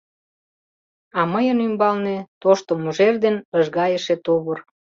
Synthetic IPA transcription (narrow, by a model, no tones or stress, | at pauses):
ɑməjənymbɑlnet̪oʃt̪omuʒerd̪enəʒɣɑjəʃet̪oβər